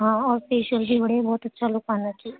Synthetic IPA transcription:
ɦãːɔːɾspeːʃəld͡ʒiːbəɽebɔːt̪ətːʃʰalʊkãːnd̪at͡ʃiː

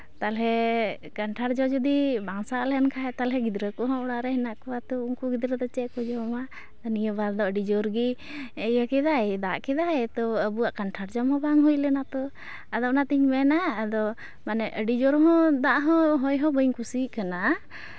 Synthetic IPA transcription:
t̪alɦɛ | kaɳʈʰaɾd͡ʒɔd͡ʒɔd̪ibaŋsaʔlɛnkʰaɦɛt̪alɦɛɡid̪ɾəkɔɦɔ̃ɔɽaɾɛhɛnaʔkɔwat̪ɔuŋkuɡid̪ɾəd̪ɔt͡ʃɛʔkɔd͡ʒɔma | d̪ɔnijəbaɾd̪ɔəɖid͡ʒɔɾɡi | əjəkɛd̪ajd̪aʔkɛd̪ajt̪ɔəbuwaʔkaɳʈʰaɾd͡ʒɔmhɔ̃baŋɦujlɛnat̪ɔ | ad̪ɔʔnat̪iɲmɛnaːd̪ɔ | manɛʔəɖid͡ʒɔɾɦɔ̃d̪aʔɦɔ̃ɦɔjɦɔ̃bəŋkusikana

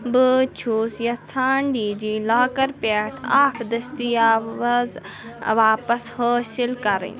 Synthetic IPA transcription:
bɨt͡ʃʰuːsjɐt͡sʰaːɳɖiːd͡ʑiːlaːkɐɾpaːʈʰaːkʰd̪ɐst̪iaːz | ʋaːpɐshoːsɪlkɐɾḛː

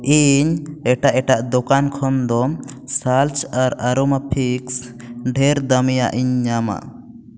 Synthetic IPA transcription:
iɲɛʈaʔɛʈaʔd̪ɔkankʰɔnd̪ɔsalt͡ʃaɾaɾɔmapʰiks | ɖʱɛɾd̪əmijaʔiɲɲama̰

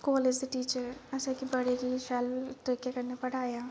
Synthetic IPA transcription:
kɔːled͡ʒd̪iʈiːt͡ʃəɾɐsakibɐɽeɾiʃaːlʈ̪ɾɪkjakɐɾnepɐɽ̤aːjaː

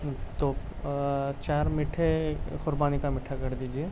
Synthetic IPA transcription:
t̪oːp | t͡ʃaːɾmɪʈʰekʊɾbaːnikamɪʈʰːakɐɾd̪iːd͡ʒie

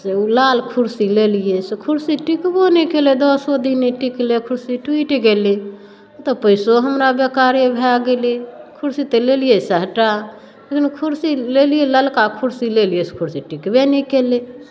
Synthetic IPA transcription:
seulalkʰuɾsilelijesekʰuɾsiʈikbonɛkeled̪ɔsod̪ineʈiklekʰʊɾsiʈwiʈɡele | t̪opəɪsoɦəmɾabekaɾebʱɛaɡelekʰuɾsit̪elelijesəɦʈa | lekinkʰuɾsilelijeləlkakʰuɾsilelijeskʰuɾsiʈikbenɛkele

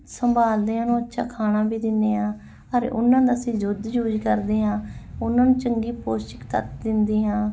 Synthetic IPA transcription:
səmbaːld̪eːãːnũːətːʃʰa̰ːkʰaːnãːbiːd̪ɪnːeːãː | əɾʊ̰nːãːd̪aːsĩːzʊd̪d͡ʒuːd͡ʒkəɾd̪eːɦãːʊnãːnũːt͡ʃəŋɡiːpoːstə̥kt̪ə̰t̪d̪ɪnd̪iːɦãː

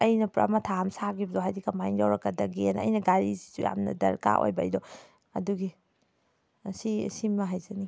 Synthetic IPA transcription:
ɐjnɐpɾɐ̰mɐtʰaamsaɡibdɔɦajdikamajŋdawɾɐkːɐdɐɡinɐ̰jnɐɡaɾizi̥zuja̰mnɐ̰dɐ̰ɾka̰ʔo̰jbajdɔ | ɐduɡi | sisimɐɦajzɐni

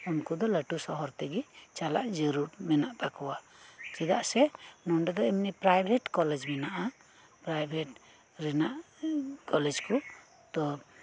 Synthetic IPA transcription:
unkud̪ɔləʈusɔɦɔɾt̪ɛɡit͡ʃalaʔd͡ʒəɾuɾmɛnaʔt̪akɔwa | t͡ʃɛd̪aʔsɛnɔɳɖɛd̪ɔimnipɾajbʱɛʈkɔlɛd͡ʒmɛnaʔa | pɾajbʱeʈ | ɾɛnaʔ | kɔlɛd͡ʒku | t̪ɔ

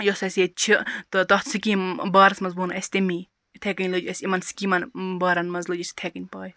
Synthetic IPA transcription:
josɐsʲet͡ʃʰit̪ɨt̪ɐht̪sɨkimbaːɾɐsmɐnzbuːnɐsʲt̪emiː | t̪ʰekɐnʲlod͡ʒɐsʲimɐnsi̥kiːmɐnbaːɾɐnmɐzlod͡ʒɐsʲt̪ʰekinʲpaːj

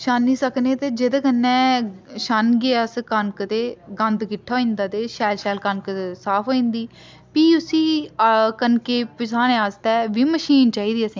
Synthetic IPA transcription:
ʃaːnːiːsəkneːt̪eːd͡ʒed̪eːkənːɛ̃ːʃanɡeaskənkt̪eːɡə̃nd̪ɡɪʈʰːaːĩnd̪aːt̪eːʃɛːlʃɛːlkənk̪ːsaːpʰoːĩnd̪iː | piːʊsiːkənkeːpɪsaːnẽːaːst̪ɛːʋiːməʃiːnt͡ʃaːiːd̪iːəsẽː

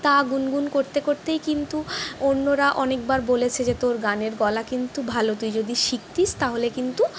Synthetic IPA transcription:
t̪aɡunɡunkoɾt̪ekoɾt̪ejkint̪uonːoɾaʔɔnek̚baɾbolet͡ɕʰed͡ʑet̪oɾɡaneɾɡɔlakint̪ubʱalot̪̬ujd͡ʑod̪iʃik̚t̪ist̪aɦolekint̪u

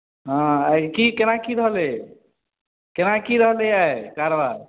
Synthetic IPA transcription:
ɦãakikenakiɾəɦle | kenakiɾəɦleaekaɾəbaɾ

